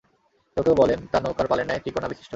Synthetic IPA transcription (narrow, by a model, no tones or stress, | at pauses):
t̪owkeobɔlent̪anokaɾpalenaet̪ɾikonabiʃi̥ʃʈʰo